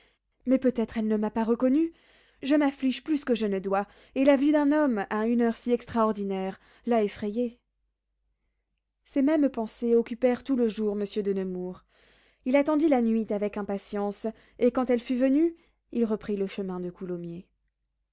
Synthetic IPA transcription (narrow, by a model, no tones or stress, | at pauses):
mɛpøt̪ɛt̪χɛlnəmapaʁəkɔny | ʒəmafliʒplyskəʒənəd̪wa | elavyd̪ɛ̃nɔmaynœʁsiɛkst̪χaɔʁd̪inɛʁ | laefχɛje | semɛmpɑ̃seɔkʲypɛʁt̪uləʒuʁməsjød̪ənəmuːʁ | ilat̪ɑ̃d̪ilanɥit̪avɛkɛ̃pasjɑ̃s | ekɑ̃t̪ɛlfyvəny | ilʁəpχiləʃəmɛ̃d̪əkulɔmje